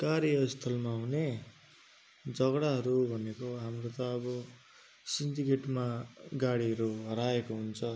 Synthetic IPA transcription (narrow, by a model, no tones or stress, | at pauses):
kaɾjʌʌist̪ʰʌlmaɦune | d͡zʌɡɽaɦʌɾubʱʌnekoɦamrot̪ʌːbʌ | sinʈikeʈmaɡaɽiɦʌɾuɦʌɾaekoɦunt͡sʰʌ